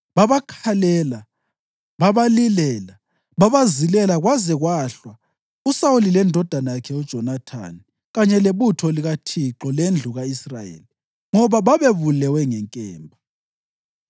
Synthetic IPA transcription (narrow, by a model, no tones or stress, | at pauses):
βaβakʰalɛla | βaβalilɛːla | βaβazilɛlaɣwazɛɣwaɬwa | usaulilɛndʱɔd̥ʱanajakʰɛud̥ʒ̥ʱɔnatʰa̰ni | ɣaɲɛleβutʰɔliɣatʰiǃɔlend͡ɮʱuɣaisra̰jḛli | ŋɔβaβaβeβulɛwɛŋɛŋkʼɛːmbʱa